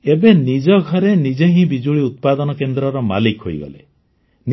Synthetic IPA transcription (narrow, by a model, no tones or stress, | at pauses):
ebenid͡ʒɔɡʱɔɾenid͡ʒeɦĩbid͡ʒuɭiut̪̚pad̪ɔnɔkend̪ɾɔɾɔma̰likɦo̰jɡɔ̰lḛ | n